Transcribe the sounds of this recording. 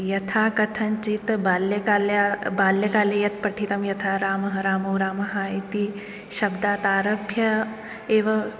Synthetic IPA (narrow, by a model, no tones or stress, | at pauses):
jɐt̪ʰaːkɐt̪ʰɐnt͡ʃit̪baːljɐkaːljabaːljɐkaːlejɐt̪̚pɐʈʰit̪ɐmjɐt̪ʰaːɾaːmɐɦɐɾaːmɐwɾaːmɐɦaːet̪i | ʃɐbd̪aːt̪aːɾɐbʱjɐ | eːʋɐ